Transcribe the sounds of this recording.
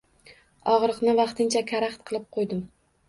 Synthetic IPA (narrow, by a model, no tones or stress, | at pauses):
ɒʁɾɨqnɪvɑqt̪ʰɪnt͡ʃʰakʰʲaɾaχt̪̚qʰɨlˠɪp̚qʰojd̪ɪm